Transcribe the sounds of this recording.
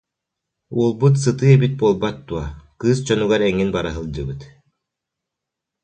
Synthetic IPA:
ṵɔlˠbut̪sɯt̪ɯɛbit̪̚buɔlˠbat̪̚d̪uɐkɯːst͡ɕɔnyɡaɾɛŋːinbaɾaɦɯlˠd͡ʑɯbɯt̪

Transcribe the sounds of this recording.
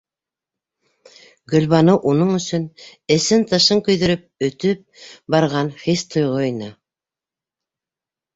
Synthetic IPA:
ɡɵ̆lʲβɑnɤʔunɤɴɵ̆sɵnɘ̆sɘnt̪ɤ̆ʃɤŋkɵ̆jðɵ̆ɾɵp̚ɵ̆t̪ɵp̚bɑɾʁɑnχist̪ʰŏjʁoinɤ

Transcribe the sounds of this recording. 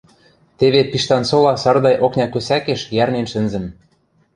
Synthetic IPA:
t̪eβepiʃt̪ɑnsolɑsɑrd̪ɑjʔoknʲɑkøsækeʃjærnenʃɘ̆nzɘ̆m

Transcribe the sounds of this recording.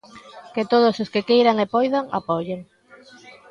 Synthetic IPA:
ket̪oðososkekejɾaŋepɔjðaŋa̰pɔʎeŋ

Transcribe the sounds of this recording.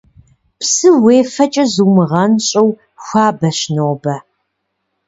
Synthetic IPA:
psɨweːfɐt͡ʃʼɐzumɨʁɐnɕʼɐw | xʷaːbɐɕnoːbɐ

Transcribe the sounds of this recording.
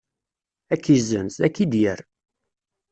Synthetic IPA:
ækːizənsækːid̪jəɾ

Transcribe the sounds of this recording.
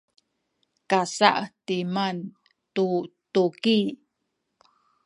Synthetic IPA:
kasa̰ʔtiman | tutuki

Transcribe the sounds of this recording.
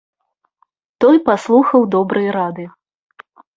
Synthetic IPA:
t̪ɔjpaslˠuxɐwd̪ɔbɾʔɨjɐɾad̪ɨ

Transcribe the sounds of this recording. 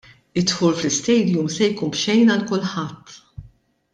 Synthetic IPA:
ɪt̪ħuːlflɪst̪ɛjd̪jumsɛjkuːnpʃɛjnɐlkʊlːħɐt̪ː

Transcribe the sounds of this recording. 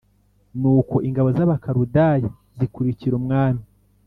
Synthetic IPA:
nuːko̞ʔiŋɡaβo̞zaβakaɾudaji | zikuɾiciɾumŋaːmi

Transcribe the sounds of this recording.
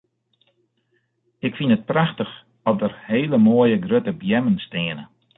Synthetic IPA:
ɪkfinət̚praxtəx | ɔdərheːləmoəjəɡrøtəbjɛmənsteːənə

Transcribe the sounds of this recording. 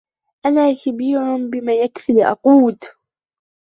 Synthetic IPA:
ʔanaːxabiːɾʊnbɪmaːjakfɪlʔɑ̰quːt̪

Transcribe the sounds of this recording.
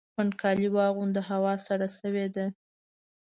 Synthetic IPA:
ankʰɑliwɑɣund̪əɦawɑsaɽasəwed̪a

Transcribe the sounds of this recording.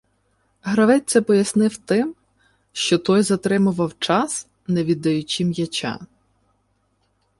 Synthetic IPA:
ɦɾɐʋɛt͡sʲːɛpɔjɐsnɪwt̪ɪm | ʃt͡ʃɔt̪ɔjzɐt̪ɾɪmʊʋɐwt͡ʃɑs | nɛʋʲid̪ɐjʊt͡ʃʲimjɐt͡ʃɑ̰

